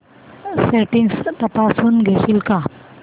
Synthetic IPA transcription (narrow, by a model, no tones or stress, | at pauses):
seʈiŋst̪əpasuːnɡʱeɕilka